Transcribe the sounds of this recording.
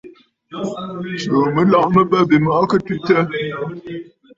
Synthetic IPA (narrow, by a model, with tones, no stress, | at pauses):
lo˨mə˨˦lɔ˦˨ʔmə˦bə˦be˨mɔ˨˦kə˦tʉ˦tə˦